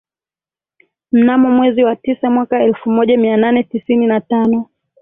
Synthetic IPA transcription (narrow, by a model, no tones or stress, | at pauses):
m̩namɔmwɛziwatisamwakaɛlfumɔʄamiananɛtisininatanɔ